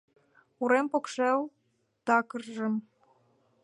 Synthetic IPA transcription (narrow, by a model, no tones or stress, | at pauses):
uɾempokʃew | t̪ɑkərʒə̆m